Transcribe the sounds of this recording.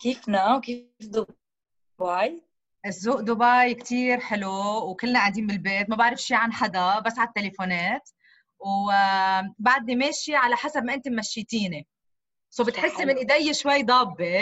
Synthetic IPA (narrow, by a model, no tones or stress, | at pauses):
kiːfnawkifd̪ʊ | baj | ʔɪzːuːʔd̪ʊbaːjkt̪iːɾħɪluwkɪlːnaʔand̪iːnbɪlbeːt̪mabaʕɾɪfʃiːʕanħad̪abasːʕat̪ːelefoːneːt̪ | w | baʕd̪̚nimeːʃiʕalaħasab̚maʔɪnt̪ʊmmaʃːiːt̪iːni | sowbɪt̪ħɪsːimɪnʔɪd̪ejːeʃwajːd̪ˤɑːbːe